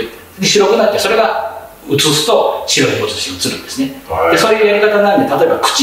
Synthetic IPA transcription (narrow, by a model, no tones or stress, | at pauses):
ɲʲiɕiɾo̞kɯ̟nat̪ːeso̞ɾe̞ɡa | ɯ̟t͡sɨsɨ̥t̪o̞ɕiɾoçʲiɡot̪ot̪o̥ɕioɯt͡sɨɾɯ̟̃nd̪e̞sɨneeso̞ːjɯjaɾʲikat̪aɡnaɾɯnd̪et̪at̪o̞e̞bakɯ̟̥t͡ɕ